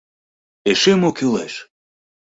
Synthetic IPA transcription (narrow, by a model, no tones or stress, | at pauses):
eʃemokileʃ